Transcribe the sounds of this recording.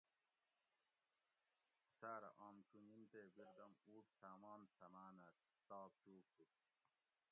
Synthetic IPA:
saːɾɐ̰ʔaːmt͡ɕunint̪eːbiɾd̪ɐmuːʈsaːmaːnsɐmaːnɐt̪̚ | t̪aːp̚t͡ɕuːk̚tu

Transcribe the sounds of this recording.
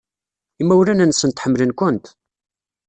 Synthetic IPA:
imːæwlænænsːənt̪ħəmːlənkʷʊnt̪

